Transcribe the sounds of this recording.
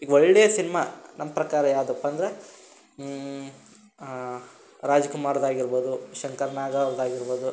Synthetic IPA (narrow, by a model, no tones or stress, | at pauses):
iːɡoɭːɽeːsinɐmanɐmːɐpɾɐkaːɾɐjaːwd̪oɐpːɐnd̪ɐɾe | ɾaːd͡ʒɐkumaːɾd̪aːɡiɾboːd̪uʃɐŋkɐɾnaːɡaːɾd̪aːɡiɾboːd̪u